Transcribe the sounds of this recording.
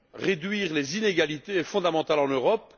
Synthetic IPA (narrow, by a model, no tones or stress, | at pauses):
ʁed̪ɥiːʁlezineɡalit̪efɔ̃d̪amɑ̃t̪alɑ̃nøʁɔp